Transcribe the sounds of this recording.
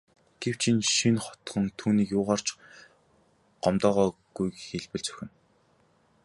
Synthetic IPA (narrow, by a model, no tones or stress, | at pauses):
ɡ̥ew̥t͡ɕʰinʃinχɔt̪̆χɞ̆nt̪ʰuːniːkjʊːʁaːr̥t͡ɕ | ɢ̥ɔmt̪ɔːʁɔːɡ̥ujxeɮpɘ̆ɮt͡sɵ̥xʲɪ̆n